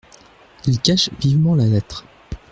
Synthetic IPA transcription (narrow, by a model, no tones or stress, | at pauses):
ilkaʃvivmɑ̃lalɛt̪χ